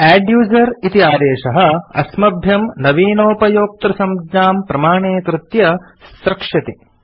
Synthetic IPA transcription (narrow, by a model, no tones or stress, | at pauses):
æːɖjuːzɐɾit̪iaːd̪eːʂɐɦɐɐ̰smɐbʱjɐmnɐʋiːnoːpɐjoːk̚t̪ɾɐsɐmd͡ʒɲaːmpɾɐmaːɳeːk̪ɾut̪jɐ | sɾɐkʂɐt̪i